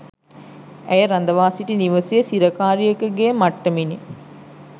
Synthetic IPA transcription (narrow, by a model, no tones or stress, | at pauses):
æjəɾand̪ɐʋaːsiʈiniʋɐsijəsiɾɐkaːɾijəkəɡemaʈːəmini